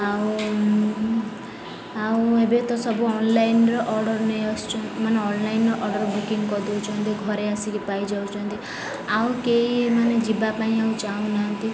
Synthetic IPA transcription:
aũ | aũebet̪ɔsɔbuɔnlajnɾɔʔɔɾɖɔɾnejɔst͡ʃʰɔmaneɔnlajnːɔʔɔɾɖɔɾbukiŋɡkɔd̪uwt͡ʃʰɔnt̪iɡʱɔɾeasikipajd͡ʒaw̃t͡ʃʰɔnt̪i | aũkeimaned͡ʒibapaĩaũt͡ʃaũnaɦʌnt̪i

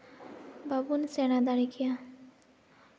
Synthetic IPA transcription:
babunsenad̪aɾikʰija

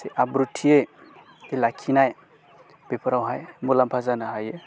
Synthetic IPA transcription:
seʔabɾutʰijej | kelakʰinaj | bepɾawɦajmulampʰazanaɦaje

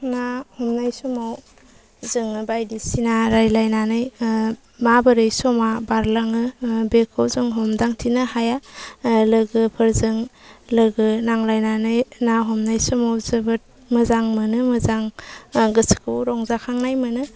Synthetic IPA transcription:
nahɔmnajsɔmaw | zɯŋɯbajdisinaɾajlajnanɯj | mabɯɾɯjsɔmabaɾlaŋɯbekʰowzuŋɦɔmdaŋtʰinɯhaja | lɯɡɯpʰɯɾzɯŋlɯɡɯnaŋlajnanɯjnaɦɔmnajsɔmawzɯbɯt̚ | mɯzaŋmɯnɯmɯzaŋɡɯsi̥kʰɯwɾɔŋzakʰaŋnajmɯnɯ

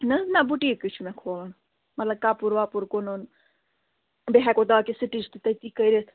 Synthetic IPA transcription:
nɐnabuʈikit͡ʃʰumɛ̃kʰoːlən | mɐt̪lɐb̚kaːpuɾʋapuɾkonon | beɦɛkod̪aːkesiʈid͡ʒt̪ut̪ɐt̪ikɐiɾet̪ʰ

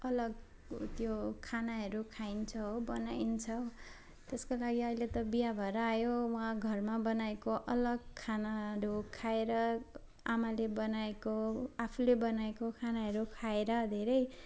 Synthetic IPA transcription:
ʌlʌɡ | t̪jokʰanaɦʌɾukʰaint͡sʰʌɦobʌnaint͡sʰʌw | t̪eskolaɡiʌilet̪ʌbijabʱʌɾajowãɡʱʌrmabʌnaekoʔʌlʌɡkʰanaʌɾukʰaeɾʌ | amalebʌnaekoapʰulebʌnaekokʰanaɦʌɾukʰaeɾʌd̪ʱeɾʌj

